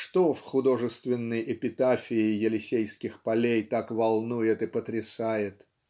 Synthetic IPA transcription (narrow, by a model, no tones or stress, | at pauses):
ʂt̪ofxʊd̪o̞ʐɨst̪vʲɪnːəjʔɪpʲɪt̪afʲɪːjɪlʲɪsʲejskʲɪxpɐlʲejt̪akvɐlˠnujɪt̪ɨpət̪ɾʲɪsajɪt̪